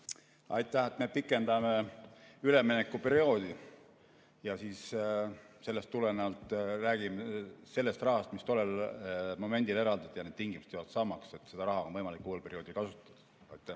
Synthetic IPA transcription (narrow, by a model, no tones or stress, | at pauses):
ɑ̰jt̪ːˑæhet̪me̞pikːˑe̞nd̪ɑmeyle̞minekːˑupe̞ɾio̞ːd̪̥i | jɑsiːs | se̞lːe̞st̪ːuleneɑlt̪ˑræːɡ̥imese̞lːe̞st̪rɑɦɑst̪mist̪olelmo̞me̞nʲd̪ile̞ɾɑld̪̥ɑd̪̥ɑjɑned̪t̪iŋɡimuse̥t̪ejvɑt̪sɑmɑkse̞t̪ːˑse̞d̪̥ɑɾɑɦɑonvɤjmɑlikːˑulpe̞ɾio̞ːd̪ikɑsut̪ːˑɑd̪̥ɑ̥ | ɑ̰jt̪ːˑæh